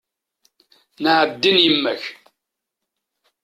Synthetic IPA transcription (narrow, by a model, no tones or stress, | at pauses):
nəʕəbd̪ənjəmːæç